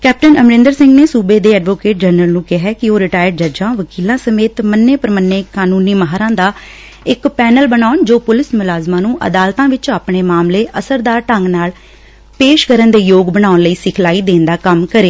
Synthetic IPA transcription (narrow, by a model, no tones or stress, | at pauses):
kɛːp̚ʈənəmɾɪ̃nd̪əɾsɪ̃ŋɡneːsuːbeːd̪eːɛːɖʋoːkeːʈ̚d͡ʒənəlnũːkɪɦɛːkɪoːɾɪʈaːjəɖd͡ʒəɾd͡ʒãːʋəkiːlãːsəmeːt̪mənːeːpəɾmənːeːkaːnuːniːməɦaːɾãːd̪aː | ɪkpɛːnəlbənaːʊnd͡ʒoːpʊlɪsmʊlaːzmãːnũːʔə̰d̪aːlt̪ãːʋɪt͡ʃaːpɳeːmaːmleːʔəsəɾd̪aːʈəŋɡnaːl | peːʃkəɾənd̪eːjoːɡbənaːʊnləiːsɪkʰlaːiːd̪eːnd̪aːkəmkəɾeː